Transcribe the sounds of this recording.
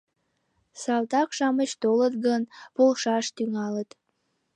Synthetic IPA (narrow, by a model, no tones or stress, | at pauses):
sɑlt̪ɑkʃɑmət͡ɕt̪olət̪ɡənpolʃɑʃt̪yŋɑlət̪